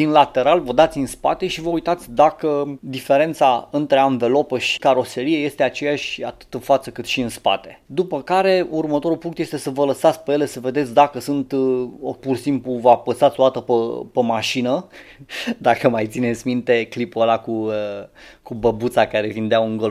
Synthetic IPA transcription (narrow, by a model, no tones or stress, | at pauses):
d̪inlat̪e̞ɾalvəd̪at̪sʲinspa̰t̪e̞ʃivəujt̪at̪sʲd̪akəd̪ife̞ɾe̞nt̪saɨnt̪ɾe̞anve̞lo̞pəʃi̥kaɾo̞se̞ɾie̞je̞st̪e̞at͡ʃe̞jaʃʲa̰t̪ɨ̥t̪ɨnfat̪səkɨt̪ʃiɨnspa̰t̪e̞̥d̪upəkaɾe̞urmət̪o̞ɾulpuŋkt̪je̞st̪e̞səvələsat̪sʲpejele̞səve̞d̪et̪sʲd̪akəsɨnt̪opursimpluvəapəsat̪sʲo̞d̪at̪əpəpemaʃinə | d̪akəmajt̪sinet̪sʲmint̪e̞klipolakuə | kubəbut̪sakaɾe̞vind̪eauŋɡol